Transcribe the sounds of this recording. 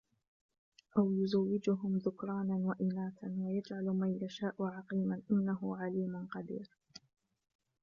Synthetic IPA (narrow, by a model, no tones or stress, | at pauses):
ʔawjʊzawːɪd͡ʒʊɦʊmðʊkɾˤɑːnawaʔɪnaːt̪anwajad͡ʒʕalmajjaʃaːʔʊʕɑqiːmanʔɪnːaɦʊʕaliːmʊnqɑd̪ḭːɾ